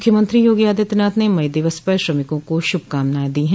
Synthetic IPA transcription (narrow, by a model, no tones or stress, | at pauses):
kʰjəmɐ̃nt̪ɾijoːɡijaːd̪it̪naːt̪ʰnemɐjd̪ɪʋəspəʃɾɐmɪkõkoʃʊb̚ʱkaːmnaːd̪iɦɛ̃